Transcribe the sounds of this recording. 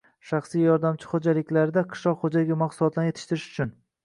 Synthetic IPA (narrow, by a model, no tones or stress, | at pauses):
ʃɑχsijjɒɾd̪amt͡ʃʰɪ̥χod͡ʒalɪkʲlaɾɪd̪aqʰɨ̥ʃlˠɒqχod͡ʒaɡʲamɑqsʊlˠɒt̪ʰlanjet̪ʰɪ̥ʃt̪ɪɾɪʃʊ̥t͡ʃʰʊn